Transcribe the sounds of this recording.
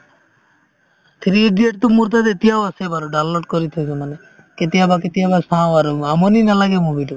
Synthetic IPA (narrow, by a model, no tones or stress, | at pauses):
t̪ʰɾieɖieʈ̚t̪omuɾt̪̬ad̪et̪iawasebaɾoɖallɔʈ̚kɔɾit̪ʰasɔmane | ket̪iabaket̪iabasãwaɾamɔninalaɡemubiʈo